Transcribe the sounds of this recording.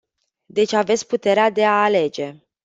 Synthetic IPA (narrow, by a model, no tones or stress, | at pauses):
d̪e̞t͡ʃʲave̞t̪sʲput̪e̞ɾead̪e̞aːle̞d͡ʒe̞